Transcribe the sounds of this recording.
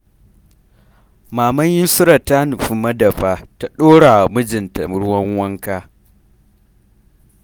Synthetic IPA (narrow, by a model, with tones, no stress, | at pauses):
maː˨mɐ˦ɲjɪ˦nsʊ˦ɾa˨ta˦n˨ɸu˨mɐ˦dɐ˨ɸaː˦ta˨ɗoː˦ɽa˨mʊ˦d͡ʒɪ˨nta̰˨m˦ɽʊ˦wɐ˦ŋwɐ˦ŋkaː˦